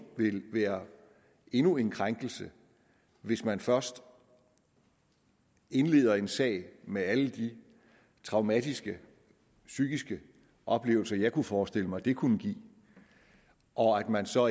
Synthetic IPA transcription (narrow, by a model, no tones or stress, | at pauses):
ʋe̝lʋæːɐ | e̝nue̝nkʰʁaŋɡ̥l̩sə | ʋe̝smænfɶɐsd̥ | e̝nle̝̰ːðˠɐe̝nsɛ̰ːɪ̰meæləd̥i | t͡sʰʁɑ̈ʊmæd̥isɡ̥ə | syɡ̥isɡ̥ə | ʔɒ̽b̥le̝̰ːʊl̩sɐjɑ̈ɪkʰufɒːsd̥e̝l̰əmɑ̈ɪd̥e̝kʰunəɡ̥ḭː | ʔɒ̽æd̥mænsɒ̽